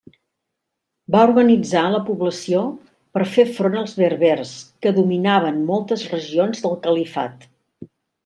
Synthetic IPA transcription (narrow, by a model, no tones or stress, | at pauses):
baurɣənid͡zaləpuβləsio | pəɾfefɾonəlˠzβeɾβerskəðuminaβ̞ənmɔlˠt̪əzrəʒionzðəlˠkəlifa̰t̪